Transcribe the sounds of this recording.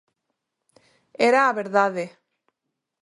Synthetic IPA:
eɾaːβeɾðaðe

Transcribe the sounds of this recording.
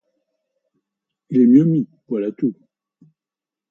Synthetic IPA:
ʒɛmjəmivwalat̪u

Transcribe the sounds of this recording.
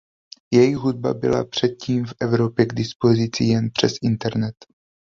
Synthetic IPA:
jɛjɪɦud̚ba̰bɪ̰la̰pr̝̥ɛt̪̚ciːmfʔɛvɾo̞pjɛɡdɪspo̞zɪt͡sɪjɛnpr̝̥ɛsʔɪnt̪ɛɾnɛt̪

